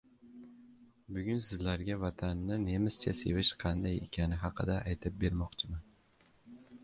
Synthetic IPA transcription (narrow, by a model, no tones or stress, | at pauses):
bʊɡʲʊnsɪzlaɾɡʲavat̪ʰanːɪne̞mɪst͡ʃʰase̞̰vɪʃqʰɑnd̪ajḛkʲʰanɪɦɑqʰɨd̪aʔajt̪ʰɪp̚be̞ɾmɒqt͡ʃʰɪman